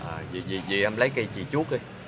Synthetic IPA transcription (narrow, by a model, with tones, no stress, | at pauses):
ʔaː˨˩zi˨˩zi˨˩zi˨˩ʔɛ˧mlə˨˦jki˧t͡ɕḭ˧˨˩t͡ɕu˦˥ək̚ə˧j